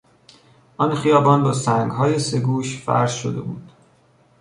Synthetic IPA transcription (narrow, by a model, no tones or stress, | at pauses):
ʔɒnxijɒːbɒnbɒːsæŋɡɦɒːjese̞ɡuːʃfæ̰ɾz̥ʃo̰d̪e̞̰buːnd̪̥